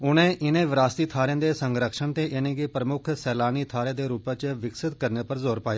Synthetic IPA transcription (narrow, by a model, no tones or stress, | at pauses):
ʊnẽːʔɪnẽːʋɪɾaːst̪iːt̪ʰaːɾẽːd̪eːsəŋɡɾəkʃəɳt̪eːʔɪnẽːɡepɾəmʊkʰsɛːlaːniːt̪ʰaːɾẽːd̪eːɾuːpãːt͡ʃʋɪksɪt̪kəɾneːpəɾzoːɾpaːjaː